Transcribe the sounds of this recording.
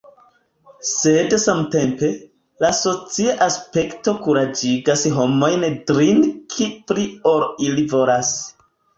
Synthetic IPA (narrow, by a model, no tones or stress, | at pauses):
se̞dsamte̞mpe̞ | laso̞t͡siaʔaspe̞kto̞kuɾad͡ʒiɡasɦo̞mo̞jndɾinkʰipɾio̞ɾilivo̞las